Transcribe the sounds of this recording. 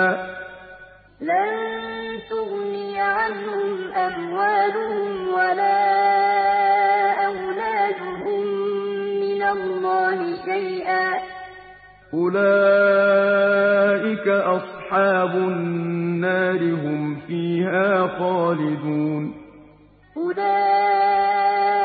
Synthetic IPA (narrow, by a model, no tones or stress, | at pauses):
lannt̪ʊɣnɪjʕanhʊmʔamwaːlʊhʊmwalaː | ʔawlaːd̪ʊhʊmː | ɪnalːɑːhɪʃajʔaː | ʔʊlaː | ʔɪkaʔɑsˤħɑːbʊnnːaːɾɪɦʊmfiːhaːxɑːlɪd̪uːn | ʔʊlaː